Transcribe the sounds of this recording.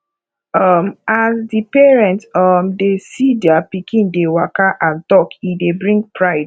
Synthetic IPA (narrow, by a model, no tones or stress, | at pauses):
ʌmazdipɛɹɛ̃ntɔmdesidɛapikĩndewakaʔãntɔkidebɹĩŋɡ̚pɹaɪd